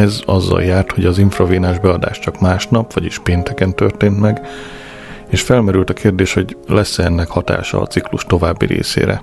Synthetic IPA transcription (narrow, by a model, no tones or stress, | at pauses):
ɛzɒzːɒ̰ljaːrt̪ho̞ɟɒziɱfroviːnaːʒbɛɒd̪a̰ːʃt͡ʃɒkmaːʃnɒpʋɒɟiʃpeːnt̪ɛkɛnt̪ørt̪eːnt̪mɛɡ | eːʃfɛlmɛɾylt̪ɒkʰeːrd̪eːʃho̞ɟlɛsːɛnːɛkhɒt̪a̰ːʃɒ̰ːt̪sikluʃt̪o̞vaːbːḭɾḛːsḛːɾɛ̰